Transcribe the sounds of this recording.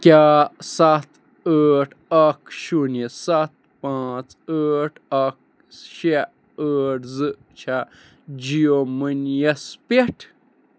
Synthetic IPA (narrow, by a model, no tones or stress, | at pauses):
kʲasat̪ | əːʈʰɐkʃunesat̪̚pãːt͡s | əːʈʰɐk̚ | ʃe | əʈʰzɨ | t͡ʃʰa | d͡ʒiomɨnjɐspeʈʰ